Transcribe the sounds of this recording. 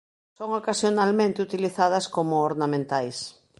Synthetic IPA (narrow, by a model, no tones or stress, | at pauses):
soŋokasjonalmẽnt̪eut̪iliθað̞ɐskomʊoɾnamẽnt̪ajs